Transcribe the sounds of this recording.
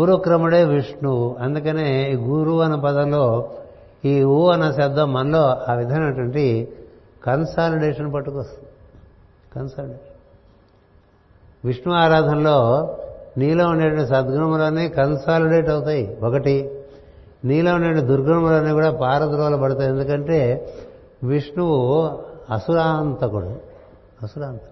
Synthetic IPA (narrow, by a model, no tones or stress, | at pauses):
ɾukɾɐmuɽeːʋiʂɳuɐnd̪ukɐne̞ːɡuːɾuːɐnɐpɐd̪ɐnlo̞ː | iːuːɐnɐsɐd̪ʱːɐmːɐnlo̞ːaːʋid̪ʱaːnɐɐʈʋɐɳʈi | kɐnsaːliɖeːʂɐnpɐʈːukoːst̪und̪ | kɐnsaːliɖeːʂɐn | ʋiʂɳuaːɾaːd̪ʱɐmloː | niːloːuɳɖeːʈɐʋɐɳʈisɐd̪ɡuɾɐmɐloːniːkɐnsaːliɽeːʈɐwut̪aːjiɔkɐʈi | niːloːuɳːɐːwɐɳʈid̪uɾɡɾɐɐmɐloːniːkuːɽaːpaːɾɐd̪ɾɔːlɐpɐɽut̪aːje̞nd̪ukɐɳʈe̞ː | ʋiʂɳuʋu | ɐsuɾaːnt̪ɐkuɽa̰ | ɐsuɾaːnt̪ɐ̥